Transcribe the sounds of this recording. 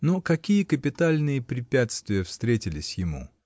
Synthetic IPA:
nokɐkʲijəkəpʲɪt̪alʲnɨjəpɾʲɪpʲæt̪st̪vʲɪjəfst̪ɾʲetʲɪlʲɪsʲjɪmṵ

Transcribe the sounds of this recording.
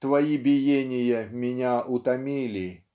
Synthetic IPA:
t̪vɐjibʲɪjenʲɪjəmʲɪnʲaʔʊt̪ɐmʲilʲɪ

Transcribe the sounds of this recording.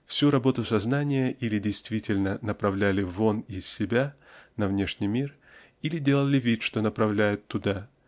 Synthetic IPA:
fsʲuɾɐbo̞t̪ʊsɐznanʲɪjəʔilʲɪdʲɪjst̪vʲitʲɪlʲnənəpɾɐvlʲælʲɪvo̞nɪssʲɪbʲa | nɐvnʲe̞ʂnʲɪjmʲir | ilʲɪdʲe̞lˠəlʲɪvʲit̪ʂt̪o̞nəpɾɐvlʲæjʊt̪ːʊd̪a

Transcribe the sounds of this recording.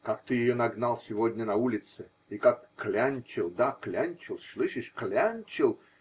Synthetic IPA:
kakt̪ɨjɪjonɐɡnalˠsʲɪvodʲnʲənɐulʲɪt̪sɨ | ikakːlʲanʲt͡ɕɪlˠd̪aklʲanʲt͡ɕɪlˠʂlˠɨʂɪʂklʲanʲt͡ɕɪlˠ

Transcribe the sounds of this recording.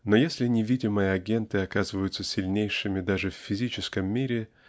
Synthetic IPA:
nojesʲlʲɪnʲɪvʲidʲɪməjəɐɡʲe̞nt̪ɨɐkazɨvəjʊt̪səsʲɪlʲnʲejʂɨmʲɪd̪aʐɨfʲːɪzʲit͡ɕɪskəmːʲiɾʲɪ

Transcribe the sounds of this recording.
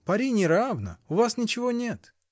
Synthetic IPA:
pɐɾʲinʲɪɾavnə̰ʊvasnʲɪt͡ɕɪvonʲe̞t̪

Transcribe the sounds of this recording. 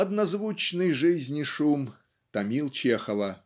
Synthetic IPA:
ɐd̪nɐzvut͡ɕnɨjʐɨzʲnʲiʂum | t̪ɐmʲilˠt͡ɕexɐvɐ

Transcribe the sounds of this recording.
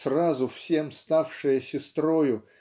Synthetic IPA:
srazʊfsʲe̞mst̪afʂɨjəsʲɪst̪ɾojʊ

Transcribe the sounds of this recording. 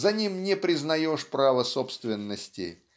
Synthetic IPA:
zɐnʲimnʲɪpɾʲɪznɐjoʂpɾavəsopst̪vʲɪnːəsʲtʲɪ̰

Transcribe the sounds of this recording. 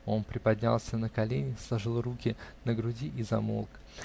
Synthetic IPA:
o̞npɾʲɪpɐdʲnʲa̰lˠsʲənəkɐlʲenʲɪslˠɐʐɨlˠrukʲɪnəɡɾʊdʲiʔɪzɐ̰mo̰lˠk

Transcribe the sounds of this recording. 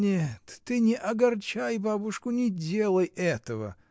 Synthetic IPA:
nʲet̪ːɨnʲɪʔɐɡɐrt͡ɕajbabʊʂkʊnʲɪdʲe̞lˠəjɛt̪əvə̰

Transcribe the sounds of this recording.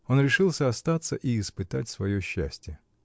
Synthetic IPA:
o̞nɾʲɪʂɨlˠsʲəɐst̪at̪səʔiːspɨt̪at̚ʲsvɐjoɕːæsʲtʲɪjə

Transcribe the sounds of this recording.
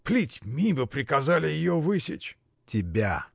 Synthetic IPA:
plʲitʲmʲibɨpɾʲɪkɐzalʲɪjɪjovɨsʲɪ̰t͡ʃ | tʲɪbʲa

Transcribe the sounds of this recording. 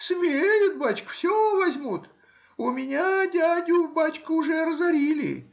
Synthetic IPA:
smʲɪɾʲejʊt̪̚bat͡ɕkə̥fsʲovɐzʲmut̪ | ʊmʲɪnʲadʲadʲʊvbat͡ɕkəʊʐɛɾəzɐɾʲilʲɪ̰

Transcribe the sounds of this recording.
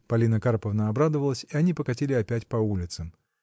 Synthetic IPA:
pɐlʲinəkaɾpəvnəɐbɾad̪əvəlˠəsʲiɐnʲipəkɐtʲilʲɪɐpʲætʲpɐulʲɪt̪səm

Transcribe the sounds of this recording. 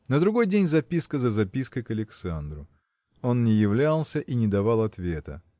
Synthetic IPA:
nəd̪ɾʊɡo̞jdʲenʲzɐpʲiskəzəzɐpʲiskəjkəlʲɪksand̪ɾʊ | o̞nːʲɪjɪvlʲalˠsʲəʔinʲɪd̪ɐvalˠɐt̪vʲe̞t̪ə̰

